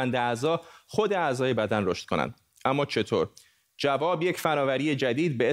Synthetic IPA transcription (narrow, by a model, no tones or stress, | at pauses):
ænd̪eæzɒːxo̞d̪eæzɒːje̞bæd̪ænroʃt̪̚konæ̰nd̪̥ | ʔæmːɒːt͡ʃʰe̞t̪ʰoːɾ | d͡ʒævɒːbje̞cfænɒːvæɾiːje̞d͡ʒæd̪iːd̪̚bee